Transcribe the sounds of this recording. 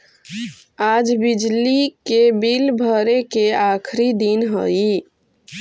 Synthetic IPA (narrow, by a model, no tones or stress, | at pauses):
ad͡ʒbid͡ʒlikebilbʱəɾekeakʰɾid̪inɦə̰i